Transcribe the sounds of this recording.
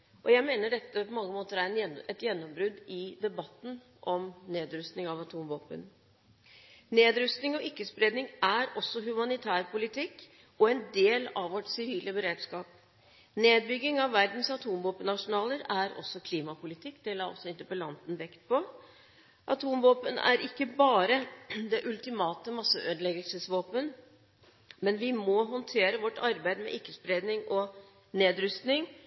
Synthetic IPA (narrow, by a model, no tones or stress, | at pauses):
ʔɔjæɪmeːnəɖɛt̪ːəpɔmɑŋːəmoːt̪əɾæɾɛnɛt̪jɛnːɔmbɾʉd̪ɪd̪ɛbɑt̪ːn̩ | ʔɔmneːd̪ɾʉst̪nɪŋɑʋɑt̪ʰuːmʋoːpə̰n | neːd̪ɾʉst̪nɪŋɔʔɪkːəspɾeːd̪nɪŋʔæɾɔsːɔɦʉmɑnɪt̪ʰæːɾpʰʊlɪt̪ʰɪkː | ɔɛnd̪eːlɑʋʋɔʈsɪɾiːləbəɾeːd̪skɑːp̚ | neːd̪̚bʏɡːɪŋɑʋːæɾd̪n̩sɑt̪ʰuːmʋoːpənɑʂʊnɑːləɾæɾɔ̰sːɔkʰliːmɑpʊlɪt̪ʰɪkːd̪̥ɛlɑːɔ̰sːɔɪnt̪əpəlɑnt̪nʋɛkt̪̚pʰɔ | ʔɑt̪ʰuːmʋoːpənæ̰ɾʔɪkːəbɑːɾəd̪ɛʔʉlt̪ɪmɑːt̪əmɑsːəʔøːd̪əlɛɡəlsəsʋoːpən | mɛnʋɪmɔɦɔnt̪ʰeːɾəʋɔʈːɑɾbæɪd̪mɛ̰ʔɪkːəspɾeːd̪nɪŋʔɔ | neːd̪ɾʏst̪nɪŋ